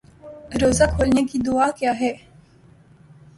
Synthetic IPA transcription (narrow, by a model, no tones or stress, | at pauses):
ɾoːzakʰoːlnekid̪ʊaːkjaːɦɛː